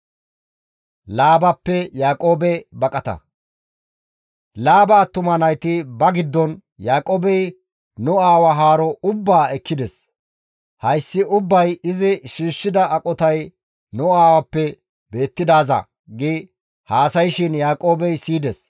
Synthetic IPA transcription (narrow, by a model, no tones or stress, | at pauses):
laːbɐpːɛjaːkʼo̞ːbɛbɐkʼɐt̪ɐ̰ | laːbaːt̪ʊmɐnɐjt̪ɪbɐɡɪd̪ːɔn | jaːkʼoːbɛj | nʊaːwɐɦaːɾɔʊbːaːɛkʰːɪd̪ɛs | hɐjsːɪʔʊbːɐjɪzɪʃiːʃːɪd̪ɐʔɐkʼɔt̪ɐj | nʊaːwɐpːɛ | be̞ːt̪ːɪd̪aːzɐ̰ | ɡɪ | haːsɐjʃɪnjaːkʼo̞ːbɛjsiːd̪ɛs